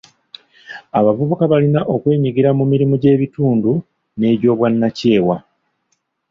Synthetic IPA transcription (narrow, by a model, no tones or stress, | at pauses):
aβavuβukaβalinaʔo̞kwe̞ːɲiɡiɾamumiɾimuɟe̞ːβituːndu | ne̞ːɾo̞ːβwanːace̞ːwa